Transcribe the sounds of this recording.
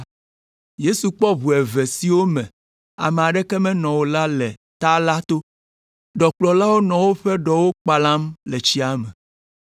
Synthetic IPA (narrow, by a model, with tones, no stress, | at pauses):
je˦su˨k͡pɔ˦βu˨ɛ˨ve˨si˨wo˦mɛ̃˨ | a̰˨me˨a˨ɖɛ˦kɛ˦mɛ̃˦nɔ̃˨wo˦la˦lɛ˨ | t̪a˦la˦t̪o˦ | ɖɔ˨k͡plɔ˨la˦wo˦nɔ̃˨wo˦ɸɛ˦ɖɔ˨wo˦k͡pa˨lã˦mlɛ˨t͡ɕi˦a˦mɛ̃˨